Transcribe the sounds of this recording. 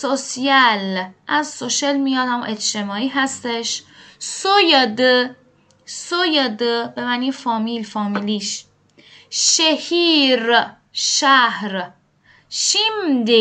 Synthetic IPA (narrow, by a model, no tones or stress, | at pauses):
sosiælʔæzsoʃelmijɒd̪æmʔet͡ʃt̪emɒːiːɦæst̪eʃsojɑd̪ɯ | sojed̪ɯbemæniːfɒːmilfɒːmiliʃ | ʃehiɾ | ʃæhɾ | ʃimd̪e